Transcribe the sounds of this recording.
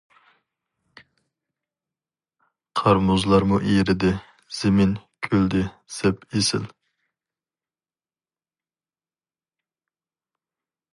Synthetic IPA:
qʰɑɾmuzlˠɑɾmuʔiɾɪd̪ɪ | z̥ɪmɪnkʲʰøld̪ɪsɛpesɪ̰l

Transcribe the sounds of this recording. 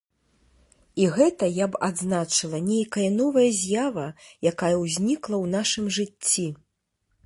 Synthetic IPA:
iɣɛt̪ɐjapad̪znat͡ʂɨlˠɐnʲejkɐjɐn̪ɔvɐjɐzʲjavɐjakajɐwzʲnʲiklˠɐwn̪aʂɨmʐɨt͡st͡sʲːi

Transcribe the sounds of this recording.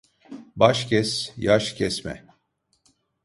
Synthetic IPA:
baʃcʰɛsjaʃcʰɛsmɛ̰

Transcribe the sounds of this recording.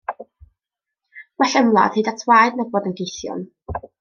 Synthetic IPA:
wɛɬəmlˠa̰ð̥hiːdatʰwajdnaboːdənɡejθjɔ̰n

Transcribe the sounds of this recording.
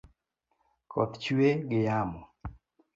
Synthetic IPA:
kʰɔt̪t͡ʃuweɡɪjamɔ

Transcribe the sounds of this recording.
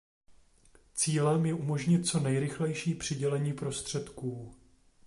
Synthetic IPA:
t͡siːlɛmjɛʔumo̞ʒɲɪt̪̚t͡so̞nɛjɾɪxlɛjʃiːpr̝̥ɪɟɛlɛɲiːpɾo̞st̪r̝̥ɛt̪kuː

